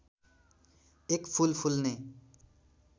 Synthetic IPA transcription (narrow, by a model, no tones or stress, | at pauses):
ekpʰulpʰulne